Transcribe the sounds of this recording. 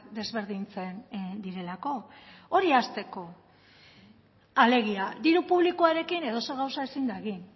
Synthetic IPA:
d̪e̞zβ̞e̞ɾðint͡se̞nd̪iɾe̞lako̞oɾiast̪e̞ko̞ | ale̞ɣ̞iad̪iɾupuβlikuaɾe̞kine̞ðo̞soɣ̞awsaesind̪aeɣin

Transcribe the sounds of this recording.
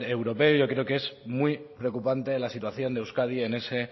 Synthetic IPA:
ɾewɾo̞pe̞oʝo̞kɾe̞okee̞smwipɾeokupant̪e̞lasit̪waθjo̞nd̪ewskaðie̞ne̞se̞

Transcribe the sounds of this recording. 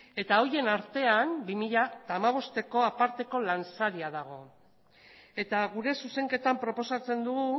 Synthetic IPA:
e̞t̪ao̞je̞naɾt̪e̞ambimiʎat̪aːmaβ̞o̞st̪e̞ko̞apaɾt̪e̞ko̞lansaɾiaðaɣ̞o̞ | e̞t̪aɣuɾe̞suse̞ŋke̞t̪ampɾo̞po̞sat͡se̞nd̪uɣu

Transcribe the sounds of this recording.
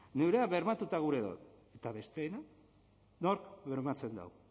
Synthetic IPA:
ne̞wɾe̞aβe̞ɾmat̪ut̪aɣ̞uɾe̞ðo̰t̪ | e̞t̪aβe̞st̪e̞ːna | no̞ɾkβe̞ɾmat͡se̞nd̪a̰w

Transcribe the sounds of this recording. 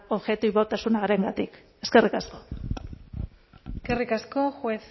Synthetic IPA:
o̞βʝe̞t̪uiβot̪asunaɣaɾe̞ŋɡat̪ik | e̞ske̞rikasko̞ | skerikasko̞xwes

